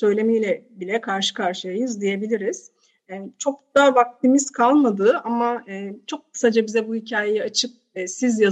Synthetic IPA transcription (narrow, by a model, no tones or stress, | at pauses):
sø̞jlʲe̞mijlʲɛbilʲɛkʰaɾʃɯ̥kʰaɾʃɯjajɯzd̪ije̞bilʲiɾiz̥ | ɛːt͡ʃʰo̞k̚d̪̥avak̚t̪ʰimist̪kʰalˠmad̪ɯːʔamaɯːt͡ʃʰo̞kkʰːɯ̥sad͡ʒabizɛbuhicʰaːjejiat͡ʃʰɯp̚ːsizja